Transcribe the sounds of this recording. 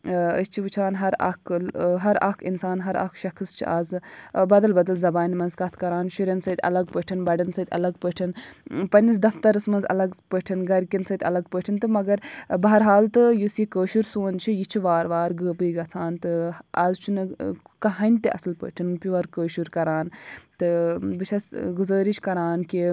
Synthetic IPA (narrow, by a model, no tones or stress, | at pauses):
ə̰st͡ʃʰiʋɨt͡ʃʰaːnɦɐɾɐ̰kɦɐɾɐ̰kʰinsaːnɦɐɾɐ̰kʰʃɐkʰɨst͡ʃʰḭʔaːzbɐd̪ɐlbɐd̪ɐlzɐbaːnʲimɐnzkɐt̪ʰkɐɾaːnʃiɾʲɐnsɐːt̪ʲɐ̰lɐɡ̚pəʈʰinbɐɖɐnsɐːt̪ʲɐ̰lɐɡpəʈʰinpɐnʲis̬d̪ɐft̪ɐɾɨsmɐnzɐ̰lɐɡpəʈʰinɡɐɾkʲinsɐt̪ʰʲɐ̰lɐɡpəʈʰint̪ɨmɐɡɐɾbɐɦɐɾɦaːlt̪ɨjusikəːʃuɾsoːnt͡ʃʰijit͡ʃʰiʋaːɾʋaːɾɡəːbɨjɡɐt͡sʰaːnt̪ɨɐzt͡ʃʰunɨkɐɦɐnʲt̪iʔɐ̰sɨlpə̰ːʈʰinpʲiʋɐɾkəːʃuɾkɐɾaːnt̪ɨbɨt͡ʃʰɐsɡuzəːɾit͡ʃʰʲkɐɾaːnki